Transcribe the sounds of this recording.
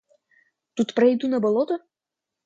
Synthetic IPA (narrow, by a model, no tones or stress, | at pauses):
t̪ut̪pɾɐjd̪unɐbɐlˠɔt̪ʊ